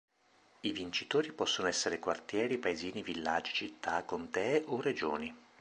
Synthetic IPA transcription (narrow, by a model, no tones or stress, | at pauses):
ivint͡ʃit̪oːɾipɔsːonoɛsːeɾekwart̪jɛːɾipaeziːnivilːad͡ʒi̥t͡ʃit̪ːakːont̪ɛʔored͡ʒo̰ːni